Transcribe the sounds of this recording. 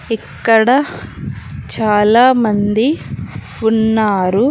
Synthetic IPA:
ikːɐɽɐ | t͡ʃaːlaːmɐnd̪i | unːaːɾu

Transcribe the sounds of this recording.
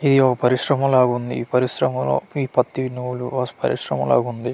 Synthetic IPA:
id̪iɔkɐpɐɾiʃɾɐmɐmlaːɡund̪iːpɐɾiʃɾɐmɐlo̰ːiːpɐt̪ːinuːluɐpɐɾḭʂɾɐmɐ̰la̰ːɡund̪i

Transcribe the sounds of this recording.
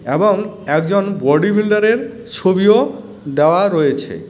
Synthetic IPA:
eboŋɛkd͡ʑonbɔɖibʱilɖaɾeɾ | t͡ɕʰobio | d̪eoaɾɔjet͡ɕʰḛ

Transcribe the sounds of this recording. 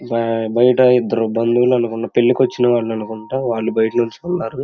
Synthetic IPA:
bbɐjɐʈɐid̪ːɐɾubɐnd̪uluɐnukuɳɖɐːpeɭːikʋɐt͡ʃːinɐʋaːɭːɐnukuɳʈaːʋaːɭːubɐjɐʈɐnuɲt͡ʃukunːaːɾu

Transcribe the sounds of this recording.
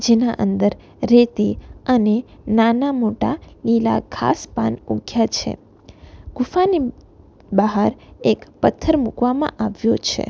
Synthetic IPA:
d͡ʒenaʔənd̪əɾː | et̪iənenanamoʈalila̰kʰa̰spanuɡʱjat͡ʃʰḛ | ɡ̥ufani | baɦaɾekpət̪ʰːəɾmukʋamã̰ʔaʋjot͡ʃʰḛ

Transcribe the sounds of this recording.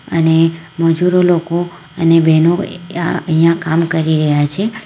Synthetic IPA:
ə̰neməd͡ʒuɾoloko | ənebɛnoaəɦijãkamkəɾiɾəɦjat͡ʃʰe

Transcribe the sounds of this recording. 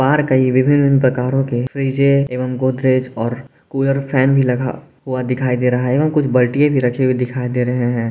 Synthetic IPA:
baːɾkɐiʋɪbʱɪnːɪnːpɾɐkaːɾõkefʰɾiːd͡ʒeeːʋəmɡoːd̪ɾeːd͡ʒɔːɾ | kuːləɾpʰɛːnbʱilɐɡʱa̰ | ɦuad̪ɪkʰaːid̪eːɾɐɦaɦɛeːʋəmkʊt͡ʃʰbɐlʈijẽbʱiɾɐkʰeid̪ɪkʰaːid̪eːɾɐɦeɦɛ̃ː

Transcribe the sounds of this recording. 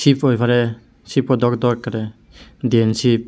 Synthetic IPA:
sipʰojpʰaɾɛ | sipɔd̪ɔkd̪ɔɾkːaɾɛ | diensip̚

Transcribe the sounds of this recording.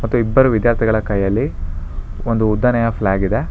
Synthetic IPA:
mɐt̪ːuibːɐɾuʋid̪jaːɾt̪ʰiɡɐɭɐkɐjːɐlːi | ond̪uːd̪ːɐnɐjɐflaːɡid̪e̞

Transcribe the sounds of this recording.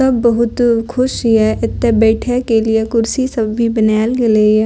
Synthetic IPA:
ɐbːɐɦʊt̪kʰʊʃɛʔɪt̪ːebɛːʈʰekeliekʊɾsisɐbːʱibɐnɛːlkeleɛ

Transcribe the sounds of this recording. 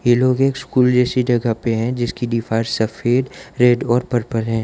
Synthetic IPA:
jeloːɡeːkskuːld͡ʒɛːsid͡ʒɐɡapeɦɛ̃d͡ʒɪskiɖifʰaːɾsɐfeːɖɾeːɖɔːɾpəɾpəɾɦɛ̃ː

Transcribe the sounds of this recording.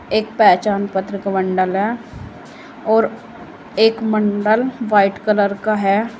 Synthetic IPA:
eːkpɛːt͡ʃaːnpət̪ɾɪkaʋə̃ɳɖəlɦɛː | ɔːɾ | eːkməɳɖəlʋaːɪʈkələɾkaɦɛ

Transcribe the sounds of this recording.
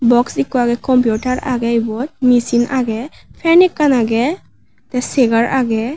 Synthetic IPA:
bɔksikuaɡɛkɔmpjutaɹaɡɛibɔt̚misinaɡɛpʰɛnikːanaɡɛ | tɛseɡaɹʔaɡɛ

